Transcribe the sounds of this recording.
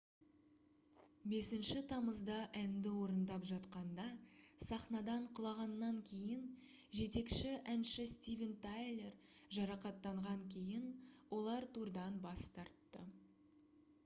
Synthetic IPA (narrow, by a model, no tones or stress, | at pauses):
be̞sɪnʃɪt̪ʰɑməzd̪ɑʔænd̪ɪwo̞ɾənd̪ɑpʒɑt̪qɑnd̪ɑsɑχnɑd̪ɑɴqʰʊlˠɑʁɑnːɑŋkʲʰe̞jɪn | ʒe̞t̪e̞kʃɪʔænʃɪst̪ʲivʲent̪ajlˠe̞r | ʒɑɾɑqɑt̪ːɑɴʁɑŋkʲʰe̞jɪnwʔo̞lˠɑɾt̪ʰuɾd̪ɑnbɑst̪ɑɾt̪ːə